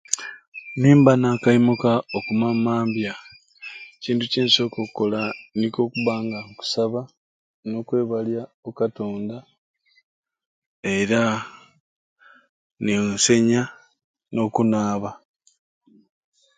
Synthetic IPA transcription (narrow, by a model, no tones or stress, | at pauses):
niːmbanakaimukaokumamaːmbja | ciːntuciːnso̞kokːo̞laniko̞kuβaːŋɡaŋku̥saβa | no̞kwe̞ːβalja | okato̞ːnda | eɾa | nise̞ɲa | no̞kunaːβa